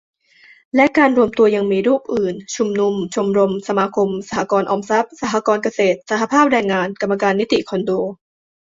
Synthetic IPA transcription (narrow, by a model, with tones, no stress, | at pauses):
lɛ˦˥kaː˧nɾu˧əmt̪u˧ɐja˧ŋmiː˧ɾuː˥˩p̚ʔɯː˨˩nt͡ɕʰu˧mnu˧mt͡ɕʰu˧mɾo˧msa˧maː˧kʰo˧msa˧ɦa˨˧˦kɔː˧nʔɔː˧msa˦˥p̚sa˧˩ɦa˧˥kɔː˧nka˧seː˨˩t̪̚sa˧˩ɦa˧pʰaː˥˩p̚ɾɛː˧ŋːaː˧nka˧mːa˧kaː˧nːi˦˥t̪ḭ˨˩kʰɔ˧ndoː˧